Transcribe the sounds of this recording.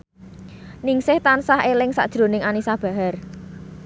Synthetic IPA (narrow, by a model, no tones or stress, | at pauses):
nɪŋsɪht̪ansaɦelɪŋsa̰ʔd̥ʒ̥ɾo̤nɪŋanisab̥ä̤ɦar